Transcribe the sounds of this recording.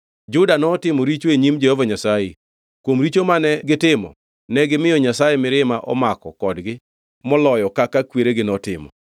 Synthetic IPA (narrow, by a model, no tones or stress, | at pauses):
d͡ʒʊdanɔːtɪmɔɾit͡ʃoeɲimd͡ʒɛhɔvaɲasaje | kwomɾit͡ʃomanɛɡɪtɪmɔ̰ | nɛɡɪmɪjɔɲasajɛmɪɾɪmaʔɔ̰makɔkɔdɡɪ | mɔlɔjɔkakakweɾeɡɪnɔtɪ̰mɔ̰